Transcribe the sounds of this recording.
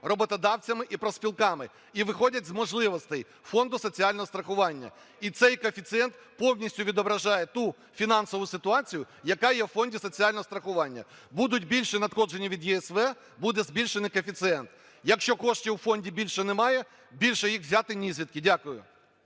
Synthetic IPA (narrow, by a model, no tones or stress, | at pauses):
rɔbɔt̪ɔd̪ɑwt͡sʲɐmɪʔipɾɔsʲpʲilˠkɑmɪ | iʋɪxɔdʲɐtʲzmɔʒlˠɪʋɔst̪ɛj | fɔnd̪ʊsɔt͡sʲiɑlʲnɔɦɔst̪ɾɐxʊʋɑnʲːɐ̰ | it̪sɛjkɔfʲit̪sɨɛnt̪ | pɔwnʲisʲtʲʊʋʲid̪ɔbɾɐʒɑjɛt̪u | fʲinɑnsɔʋʊsɪt̪ʊɑt͡sʲijʊ | jɐkɑjɛwfɔnʲdʲisɔt͡sʲiɑlʲnɔɦɔst̪ɾɐxʊʋɑnʲːɐ̰ | bud̪ʊtʲbʲilʲʃɛnɐt̪xɔd͡ʒenʲiʋʲid̪jɛɛsʋɛ | bud̪ɛzʲbʲilʲʃenɪkɔfʲit̪sɨɛnt̪ | jɐkʃt͡ʃɔkɔʃtʲiwfɔnʲdʲibʲilʲʃɛnɛmɑjɛ | bʲilʲʃɛjixʋzʲat̪ɪnʲizʲʋʲid̪̚kɪdʲakʊjʊ̰